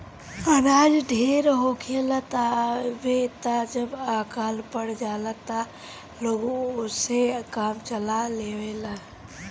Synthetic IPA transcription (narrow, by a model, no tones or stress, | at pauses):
aɾaːd͡ʒɖʱeːɾɦokʰelat̪abet̪ad͡ʒəbaːkaːlpəɽd͡ʒaːlat̪a | loːɡoʊsekaːmt͡ʃəlaleːwela